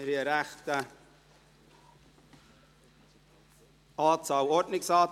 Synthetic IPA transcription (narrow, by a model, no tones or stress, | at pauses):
ɾiəɾæχtə | ɑːt͡sɑːlɔɾdnɪksɑːt